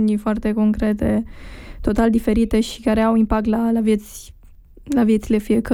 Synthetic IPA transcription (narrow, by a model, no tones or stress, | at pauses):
nʲifoart̪e̞ko̞ŋkɾe̞t̪e̞t̪o̞t̪ald̪ife̞ɾit̪e̞ʃi̥kaɾe̞awimpak̚t̪lalavjet̪sʲ | lavijet̪sile̞fijekə